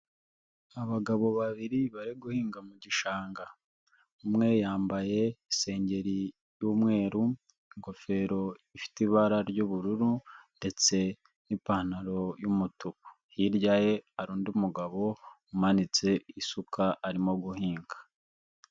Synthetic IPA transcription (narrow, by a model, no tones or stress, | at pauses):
aβaɡaβo̞βaβiɾiβaɾeɡuhiːŋɡamuɟiʃaːŋɡa | umŋe̞jaːmbaje̞ise̞ːɲɟe̞ɾi | juːmŋe̞ːɾu | ŋɡo̞fe̞ɾo̞ifi̥tiβaɾaɾɟuβuɾuɾunde̞t͡se̞ | nipaːnaɾo̞jumutuku̥ | hiɾɟaje̞aɾuːndiumuɡaβo̞umanit͡se̞isukʰaːɾimo̞ɡuhiːŋɡḁ